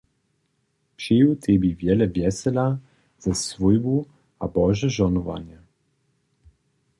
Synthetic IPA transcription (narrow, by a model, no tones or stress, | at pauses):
pʃijut̪ʰebivjɛlɛvjɛsɛla | z̥ɛsvujbu | abɔʒɛʒɔnɔva̰nɛ